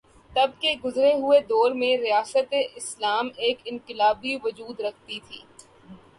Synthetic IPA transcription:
t̪ɐb̚keɡʊzɾeɦʊed̪ɔːɾmẽɾijaːsət̪eʔɪslaːmeːkɪ̃ŋqɪlaːbiʋʊd͡ʒuːd̪ɾɐk̚ʰt̪it̪ʰḭː

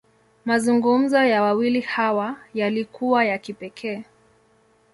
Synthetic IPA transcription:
mazuŋɡum̩zɔjawawilihawajalikuwajakipɛkʰɛː

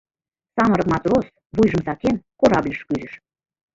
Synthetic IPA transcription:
sɑməɾɤ̆kmɑt̪ros | βujʒə̆msɑkenkoɾɑblʲiʃkyzɘ̆ʃ

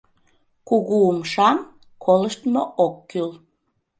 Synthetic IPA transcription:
kuɣuumʃɑm | kʰoləʃt̪moʔokːyl

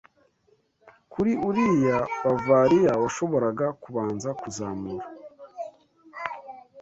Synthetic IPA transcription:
kuɾiuɾijaβavaːɾijawaʃo̞βo̞ɾaɡakuβaːnzakuzaːmuɾa

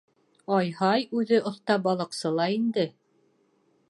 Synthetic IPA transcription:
ɑjhɑjʉðɘʔŏθt̪ɑbɑlˠɤ̆qsɤlˠɑind̪ɘ

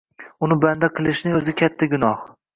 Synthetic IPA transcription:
ʊnɪband̪aqʰɨlˠɪʃnɪŋɵzɪkʲʰat̪ʰːaɡʲʊnɒh

